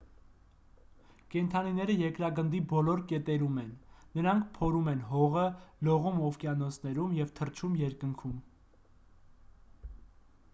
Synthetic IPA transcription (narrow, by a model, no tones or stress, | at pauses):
kɛnt̪ʰɑninɛɾəjɛkɾɑɡənd̪ibɔlɔɾkɛt̪ɛɾumɛnːəɾɑŋkʰpʰɔɾumɛnɦɔʁəlɔʁumɔfkjɑnɔsʰnɛɾumjɛvt̪ʰərt͡ʃʰumjɛɾkəŋkʰum